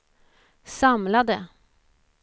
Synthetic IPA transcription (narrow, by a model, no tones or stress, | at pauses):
samlad̪ə